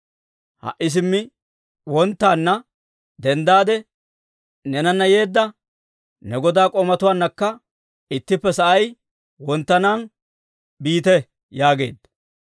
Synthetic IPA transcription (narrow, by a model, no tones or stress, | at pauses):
hɐ̰ʔːɪs̬ɪmːɪ | wɔnt̪ːaːnːɐ | d̪ɛnd̪aːd̪ɛ | nɛnɐnːɐje̞ːd̪ːɐ | nɛɡɔd̪aːkʼɔmɐt̪ʊwaːnːɐkːɐ | ɪt̪ːɪpːɛsɐʔɐj | wɔnt̪ːɐnaːn | biːt̪ɛ | jaːɡe̞̰ːd̪ːɐ